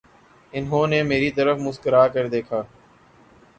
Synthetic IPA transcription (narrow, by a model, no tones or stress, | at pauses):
ɪnɦõːneːmeːɾit̪əɾəfmʊskəɾaːkəɾd̪eːkʰaː